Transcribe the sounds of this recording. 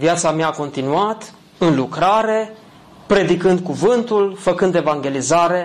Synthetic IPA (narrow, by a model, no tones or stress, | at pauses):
viat̪sameaːko̞nt̪inuat̪ | ɨnlukɾaɾe̞ | pɾe̞d̪ikɨnd̪̚kuvɨnt̪ulfəkɨnd̪e̞vaŋɡʲe̞lizaɾe̞